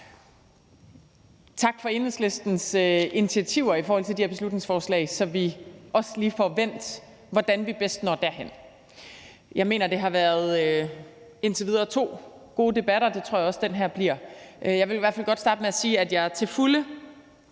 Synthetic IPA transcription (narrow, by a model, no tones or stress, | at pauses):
t͡sʰɑ̈ɡ̥fɒ̽e̝nesle̝sd̥n̩søinit͡sʰiæt͡sʰiʊ̰ɐifɒɔːhɒl̰t͡sʰe̝d̥ihɐb̥e̝slud̥ne̝ŋsfɒːslɛ̰ɪsɒ̽ʋiʔɒ̽sliːfɒʋen̰d̥ | ʋɒd̥ænʋib̥esd̥nɒ̰ːd̥æɐɦen̰ | jɑ̈ɪme̝̰ːnɐd̥e̝ɦɑ̈ʋæːɐðˠø | e̝nt͡sʰe̝ʋiðˠɐːt͡sʰo̝̰ːɡ̥o̝ːd̥e̝b̥æɾ̥ɐd̥e̝t͡sʰo̝ɐ̰jɑɒ̽sd̥enɦæɐb̥liɐ̰ʔjɑ̈ɪʋe̝lʋæɐfæl̰ɡ̥ɒd̥sd̥ɑ̈ːdəmeæsiːæd̥jɑ̈ɪɐt͡sʰe̝lfulə